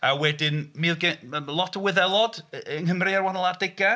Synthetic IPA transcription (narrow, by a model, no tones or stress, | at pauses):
awɛdɪnmirɡɛəlˠɔtʰəwɪðɛlˠɔd̥nhəmrɨarwanɔlˠardɪɡa